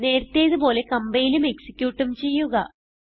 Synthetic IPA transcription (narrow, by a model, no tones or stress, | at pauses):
ne̞ːɾt̪ːe̞ːðupo̞ːle̞kɐmbɐjilume̞ksi̥kʲːjuːʈːumt͡ɕe̞jːuɣɐ